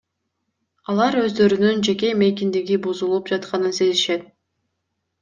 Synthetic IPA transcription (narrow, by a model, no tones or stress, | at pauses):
ɑlˠɑɾø̞zd̪ø̞ɾynynd͡ʒe̞ke̞me̞jk̬ʲind̪iɡibuzulˠup̚d͡ʒɑt̪qɑnɯnse̞ziʃe̞t̪̚